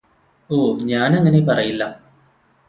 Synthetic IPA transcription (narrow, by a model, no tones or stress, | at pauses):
oːɲaːnɐŋːɐnepɐrɐjilːɐ